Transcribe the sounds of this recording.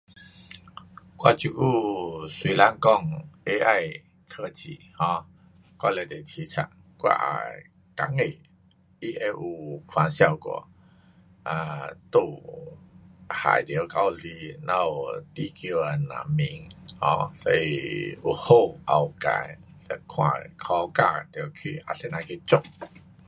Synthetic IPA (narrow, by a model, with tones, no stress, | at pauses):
kwa˧˨t͡ɕu˨ʔu˥˧˩swi˧la˦ŋkɔ˥˧ŋe˦ʔa˥˧j | kʰə˧t͡ɕḭ˨˩hɔ̃˧ | kwa˧˨le˧˩t̪e˨˩t͡ɕʰi˧˦t͡sʰa̰˧˩ | kwa̰˧ʔa̰˨˩ | ka˨˦ŋe˨˩ | i˦ʔe˧ʔu˨˩kʰwa˨˦nɕja˥˧˨wkɔ̰˨˧˩ | a̰˧t̪u˧ | ha̰˨˩jd̪ji˨˦ka˧˦˧li˧nã˧˦u˨t̪i˦˧˨kjo˧a˨˩nã̰˨˩mi˧˦ŋhɔ̰̃˧˦sɔ˧ḭ˧ṵ˨ho˥˧ʔa˨˩wka̰˧˨˦j | lɛ˧˩kʰwã̰˧kʰɔ˧ka˧t̪jkʰḭ˧˨ʔa˧se˧nã˧kʰi˧t͡ɕʊ˥˧˨k̚